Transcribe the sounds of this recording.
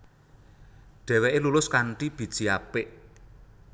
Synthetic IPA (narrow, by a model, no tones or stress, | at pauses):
ɖ̥ɛ̤wɛʔelulʊskaɳʈib̥i̤d̥ʒ̥i̤apɪʔ